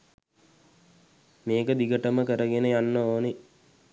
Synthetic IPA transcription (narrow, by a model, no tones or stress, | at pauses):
meːkəd̪iɡəʈəməkəɾəɡenəjanːəoːne